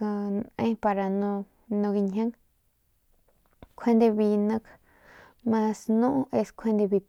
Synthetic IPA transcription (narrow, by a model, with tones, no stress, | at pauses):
a˧nẽ˦pa˧ɾa˧nũ˧ | nũ˧ɡi˧ɲɦã˦ŋ | kʷʰẽ˦nd̪e˧βi˧nə̃˦k | mã˧snũ˦ʔʔe˧skʷʰẽ˦nd̪e˧βi˧